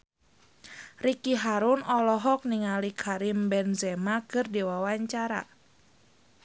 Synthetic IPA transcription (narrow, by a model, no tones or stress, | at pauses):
rikiɦaɾunɔlɔɦɔk̚niŋalikʰaɾimbɛnzɛmakɨrdiwawaɲt͡ʃaɾa̰